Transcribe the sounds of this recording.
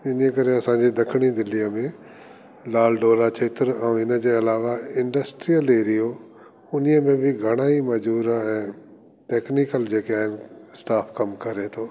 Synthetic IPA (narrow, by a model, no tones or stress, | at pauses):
ɪniəkɐɾeɐsãːɲd͡ʑid̪ɐkʰɪɽ̃id̪ɪliəmẽ | laːlɖoːɾat͡ɕʰeːt̪ɾɛ̃ːɪnə̆d͡ʑeːɐlaːʋaɪ̃ɳɖəsʈɾijəleːɾijo | ʊniəmẽbʱɪɡʱɐɽ̃aːimɐd͡ʑuːɾaɦɛ̃ː | ʈeːknikəld͡ʑeːkeaːɦɪnsʈaːpʰkɐmkɐɾet̪ʰoː